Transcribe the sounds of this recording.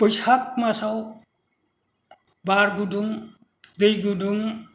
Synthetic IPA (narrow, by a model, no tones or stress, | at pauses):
pəjsak̚masaw | baɾɡuduŋ | dejɡuduŋ